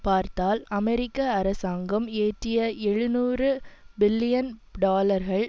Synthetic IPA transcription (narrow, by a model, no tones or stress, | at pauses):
paːɾt̪aːlɐmɛɾɪkːɐːɾɐsaːŋɡɐmeːʈrɪjɐɛɻɯnuːrɯbɪlːɪjɐnɖaːlɐɾɣɐɭ